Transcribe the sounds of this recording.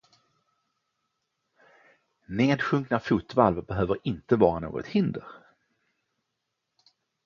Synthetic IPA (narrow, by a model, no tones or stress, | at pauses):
neːd̪ɧɵŋknafuːt̪valvəbɛɦøːvəɾɪnt̪əvɑːɾano̰ːɡɔ̰t̪hɪnd̪əɾ